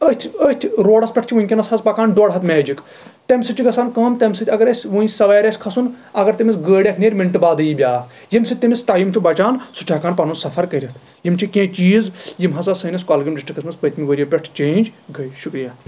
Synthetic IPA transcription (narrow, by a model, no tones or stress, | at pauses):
ət̪ʰət̪ʲʰɾoːɽɐspʲɛʈ̚ʰt͡ʃʰiʋunʲkʲinɐshɐzpɐkaːnɖoːɽɦɐt̪meːd͡ʒik | t̪ɐmʲsɨt͡ʃiɡɐsaːnkɐːnt̪ɐmʲsɨt̪ʰʲɐɡɐɾɐsʲʋunsɐʋaːɾʲɐsʲkʰɐsun | ɐɡɐɾt̪ɐmisɡəːɽʲɐkʰneːɾʲmiɳʈɨbaːd̪ɨjibʲaː | jimsɨt̪imʲist̪aːjimt͡ʃʰubɐt͡ʃaːnsut͡ʃʰaːkaːnpɐnunsɐfʰɐɾkɐɾʲit̪ʰ | jimt͡ʃʰikʲẽːt͡ʃiːzjimɦɐsɐsɐnɐskaːlɡɐmɖisʈikɐsmɐspət̪miʋɐɾʲijɐpʲɛʈʰt͡ʃẽːnʲd͡ʒɡɐjʃukɾijaː